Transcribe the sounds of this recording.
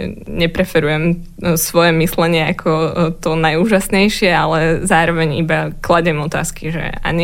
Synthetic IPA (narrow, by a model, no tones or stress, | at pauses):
ɲɛpɾɛfɛɾujɛm | sʋɔjɛmislɛɲɪɛakʰɔt̪ɔnajuːʒasɲɛjʃɪɛalɛzaːɾɔʋɛɲibaklaɟɛmɔt̪a̰ːskiʒɛ̰a̰ɲi